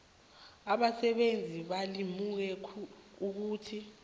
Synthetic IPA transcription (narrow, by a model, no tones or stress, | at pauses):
aɓasɛɓend͡zʱiɓalimuk̬ɛkʰuk̬uːtʰi